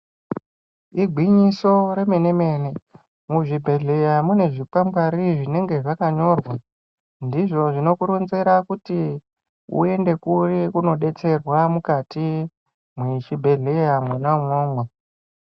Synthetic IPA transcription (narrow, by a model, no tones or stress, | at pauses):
iɡʱwiɲiso̞ɾe̞me̞ne̞me̞ne̞ | muʐibʱe̞ɮe̞jamune̞ʐipambaɾiʐine̞ŋɡe̞ʐakaɲo̞rwa | ndiʐo̞ʐino̞kuɾunzeɾakuti | ṵe̞nde̞kurikuno̞ɗe̞t͡se̞rwamukati | mwiʃibʱe̞ɮe̞jamwenamoːŋɡa